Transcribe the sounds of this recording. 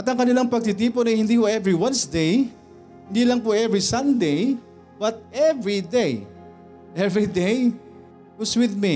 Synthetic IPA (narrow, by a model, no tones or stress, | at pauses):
ʔɐt̪ɐŋkɐnɪlaŋpɐɡ̚t̪ɪt̪̬iːponɐjhɪnd̪iːhoʔɛvɹiwɐ̃nsd̪ej | hɪnd̪iːlɐŋpʊʔɛvɹisɐnd̪ej | bɐt̪̚ʔɛvɹid̪ej | ʔɛvɹid̪ej | wɐswɪðmi